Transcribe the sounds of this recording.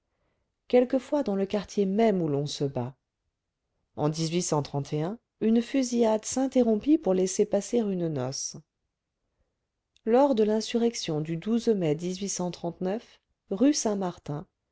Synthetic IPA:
kʲɛlkəfwad̪ɑ̃ləkaʁt̪jemɛmulɔ̃səba | ɑ̰̃d̪izɥisɑ̃t̪χɑ̃t̪ʰeɛ̃ | ynfyziad̪sɛ̃t̪eʁɔ̃pipuʁlɛsepaseʁynnɔ̰s | lɔʁd̪əlɛ̃syʁɛksjɔ̃d̪yd̪uzmɛd̪izɥisɑ̃t̪χɑ̃t̪nœf | ʁysɛ̃maʁt̪ɛ̃

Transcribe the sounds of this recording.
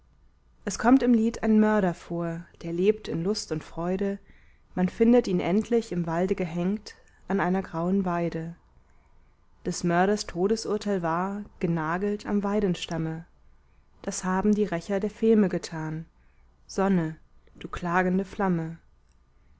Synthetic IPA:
ʔɛskʰɔmtɪmliːtʰaɪnmœɐɾɐfoːɐd̥eːɐleːp̚tɪnlʊstʊntfʁ̥ɔʏɾə | manfɪndətʔiːnʔɛntʰlɪçɪmvaldəɡəɦɛŋkt | ʔanʔaɪnɐɡʁaʊənvaɪdə | d̥ɛsmœɐɾɐstʰoːɾəsʔʊɐtʰaɪlvaːɐɡ̥ənaːɡl̩tʰa̰mvaɪɾən̩ʃtamə | d̥ashaːbm̩diːʁɛçɐdeːɐfɪlməɡətʰaːn | z̥ɔnəd̥uːkl̥aːɡn̩dəflamə

